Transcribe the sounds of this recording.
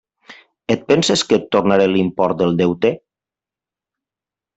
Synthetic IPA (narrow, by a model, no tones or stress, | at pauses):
et̪̚pɛnsesket̪ːoɾnaɾelimpɔɾt̪̚d̪elˠd̪ewt̪e